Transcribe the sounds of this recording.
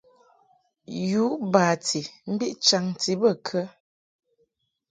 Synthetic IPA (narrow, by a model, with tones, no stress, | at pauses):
ju˨˦baː˨ti˨m̩˦bi˦ʔt͡ʃa˨ŋ˨ti˨˦bə˦˨kʰə˦